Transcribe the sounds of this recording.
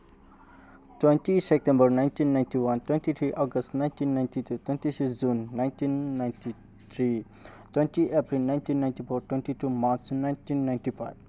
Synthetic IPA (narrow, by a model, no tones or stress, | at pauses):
twẽntisep̚ʈẽmbəɾnãj̃ntĩnːãjntiwɐnt̪wẽntit̪ʰɾiʔɔɡəstnãɪ̃ntĩnːaj̃ntit̪ʰut̪wẽnt̪isisd͡ʒũnːaɪ̃ntĩnːaɪ̃nti | t̪ʰɾi | t̪wẽntiʔepɾilnaɪntĩnːaɪntifʰoːɾʈwẽnʈitumaɾt͡ʃnajntinːaɪ̃nʈifaɪb